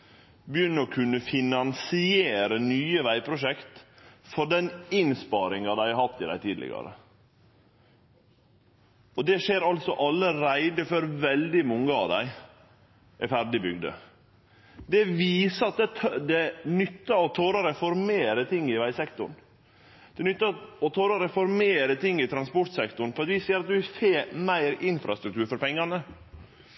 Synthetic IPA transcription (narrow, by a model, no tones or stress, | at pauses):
bəjʏnːəɾɔkʰʉnːəfɪnɑnsɪeːɾənyːəʋæɪpʰɾʊʂɛkt̪fɔɖɛnɪnspɑːɾɪŋɑd̪æɪɑhɑt̪ːɪd̪æɪt̪ʰiːd̪lɪ̰ɡɑ̰ɾə̰ | ɔd̪ɛʂeːɾɑlsɔʔɑlːəɾæɪd̪əfœɾʋɛld̪ɪmɔŋːəɑ̰ʋd̪æ̰ɪ | ʔɛɾfæɾɖɪbʏɡd̪ə̰ | d̪ɛʋiːsəɑt̪̚d̪ɛt̪ʰd̪ɛnʏt̪ːəɔt̪ʰoːɾəɾɛfɔɾmeːɾət̪ʰɪŋːɪʋæɪsɛkt̪ʊ̰ɳ | d̪̥ɛnʏt̪ːɑɔt̪ʰoːɾəɾɛfɔɾmeːɾət̪ʰɪŋːɪt̪ʰɾɑnspɔʈ̪sɛkt̪ʊɳ̩pʰɔɛt̪ʋiːseːəɾɑt̪̚d̪ʉɪseːɾmæɪɾɪnfɾɑ̰st̪ɾʉk̚t̪ʰʉːɾfɔɾpɛŋːɑnə